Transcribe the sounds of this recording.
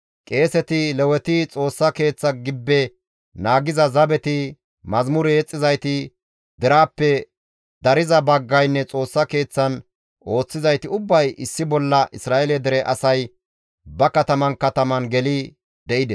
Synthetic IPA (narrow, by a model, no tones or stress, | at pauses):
kʼe̞ːsɛt̪ɪlɛwɛt̪ɪt͡sʼo̞ːsːɐke̞ːt͡sːɐɡɪbːɛ | naːɡɪzɐzɐbɛt̪ɪ | mɐzmʊɾɛɛt͡sʼːɪzɐjt̪ɪ | d̪ɛɾaːpːɛ | d̪ɐɾɪzɐbɐɡːɐjnːɛt͡sʼo̞ːsːɐke̞ːt͡sːɐn | o̞ːt͡sːɪzɐjt̪ɪʊbːɐjʔɪsːɪbɔlːɐʔɪsɾaːʔɛlɛd̪ɛɾɛʔɐ̰sɐj | bɐkɐt̪ɐmɐnkɐt̪ɐmɐnɡɛlɪ | d̪ɛʔɪd̪ɛ